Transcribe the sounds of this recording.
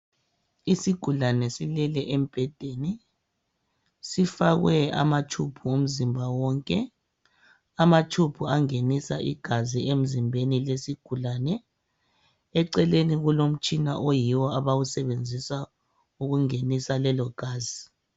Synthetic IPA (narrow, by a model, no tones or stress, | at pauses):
isiɡ̥ʱulanɛsilɛlɛʔem̩b̥ʱɛd̥ʱeni | sifaɣwɛa̰mat͡ʃʰupʰuum̩zimbʱawɔŋkʼɛ | amat͡ʃtʰupʰuaŋenisaʔiɡ̥ʱaziem̩zimbʱenilesiɡ̥ʱulanɛ | ɛǀɛleniɣulom̩t͡ʃʼina̰ʔojiwɔaβawusɛβend͡zʱisa | uɣuŋenisalɛlɔɡ̥ʱaːzi